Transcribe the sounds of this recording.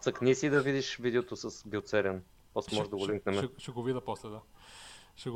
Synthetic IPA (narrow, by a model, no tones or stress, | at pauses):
t̪əknisid̪ɐvid̪iʃvid̪ɛot̪osɐsbɛt̪sɛɾʲən | pɔslɛmɔʒd̪ɐɡoliŋknɛmɛʃɛɡovid̪ɐposlɛd̪a | ʃɛɡ